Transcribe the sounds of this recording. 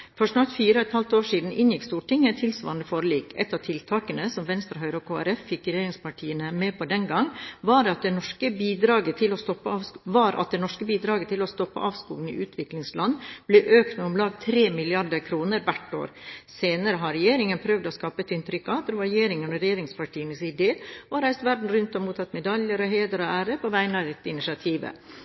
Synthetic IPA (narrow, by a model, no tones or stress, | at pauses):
fɔʂnɑɾt̪fiːɾəɛt̪hɑlt̪oːʂiːd̪n̩ʔɪnjɪkst̪uːʈʰɪŋːəɛt̪ʰːɪlsʋɑ̰ːɾɑnd̪əfoːɾəliːkɛ̰t̪ːɑʋt̪ʰɪlt̪ʰɑːkənəsɔmʋɛnst̪ɾəɦœʏɾəɔkʰoːæ̰ɾɛfːɪkɾɛjeːɾɪŋspɑʈʰiːənəmɛːpɔd̪ɛnɡɑŋʋɑɾdɑt̪̚d̪ɛnɔʂkəbiːd̪ɾɑːɡət̪ʰɪlɔst̪ɔpːəɑːʋʋɑɾʔɑ̰t̪̚d̪ɛnɔʂkəbiːd̪ɾɑːɡət̪ʰɪlɔst̪ɔpːə̰ʔɑːʋskuːɡn̩ɪ̰ʔʉːt̪ʰʋɪklɪŋslɑnːblɛʔøːkt̪nəɔmlɑːɡt̪ʰɾeːmɪlɪɑɾɖəɾkʰɾuːnəɾʋæʈːo̰ːɾseːnəɾəɦɑɾɛjeːɾɪŋənpʰɾœʋd̪ɔskɑːpət̪ɪnt̪ɾʏkːɑd̪ɾʋɑɾɛjeːɾɪŋənɔɾɛjeːɾɪŋspɑʈʰiːənəsɪd̪eːɔɾæɪst̪ʋæɖɳ̩ɾʉnt̪ɔmuːt̪ʰɑt̪ːmɛd̪ɑljəɾɔɦeːd̪əɾɔæːɾəpʰɔʋæɪənɑʋ̪ɛt̪ːəɪnɪsɑt̪ʰiːʋə̰